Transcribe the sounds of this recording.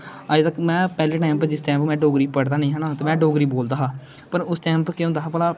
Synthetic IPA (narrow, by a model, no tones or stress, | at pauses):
aːd͡ʒt̪əkmɛ̃ːpɛːleːʈaːɪmpd͡ʒɪst̪aːmpmɛ̃ːɖoːɡɾiːpəɽd̪aːnəĩːɦəːnaːt̪eːmɛ̃ːɖoːɡɾiːboːld̪aːɦaː | pəɾʊst̪ɛːmpkɪõːnd̪aːɦaːpəlaː